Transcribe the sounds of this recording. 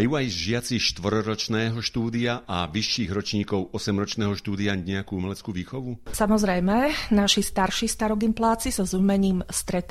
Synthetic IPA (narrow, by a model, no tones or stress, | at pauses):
juːajʒɪat͡siʃt̪ʋrɾɔɾɔt͡ʃnɛːɦɔʃt̪uːd̪iaʔaʋiʃːiːɣɾɔt͡ʃɲiːkɔʊʔɔsɛmɾɔt͡ʃnɛːɦɔʃt̪uːd̪iaɲɛakuumɛlɛt͡skuːʋiːxɔʋusamɔzɾɛjmɛnaʃist̪aɾʃist̪aɾɔɡimplaːt͡siz̥ɔzumɛɲiːmst̪ɾɛt̪